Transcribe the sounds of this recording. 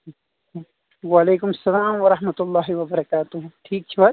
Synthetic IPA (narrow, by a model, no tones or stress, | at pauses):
waleːkʊmɐsːɐlaːmwɐɾɐɦmɐt̪ʊlːaːɦiwɐbɐɾɐkaːt̪ʊɦʊ̃mʈʰiːk̚t͡ʃʰuwa